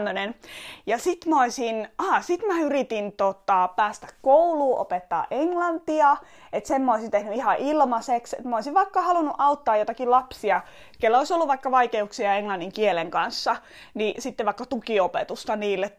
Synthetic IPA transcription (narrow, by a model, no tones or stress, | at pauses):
ønenjɑsit̪mæoisinɑːsit̪mæyrit̪int̪ot̪ɑpæːst̪æ̥kkouluːʔo̰pet̪ːɑ̰ːʔeŋlɑnt̪iɑ | et̪semːæoisint̪ehnyihɑʔilmɑseksḛt̪mæoisiʋʋɑikːɑhɑlunuʔɑut̪ːɑːjot̪ɑkilɑpsiɑ | kelːoisolːuʋʋɑikːɑʋɑikeuksiɑeŋlɑnːiŋkieleŋkɑnsːɑ | nisit̪ːeʋʋɑikːɑt̪ukiopet̪ust̪ɑniːlːe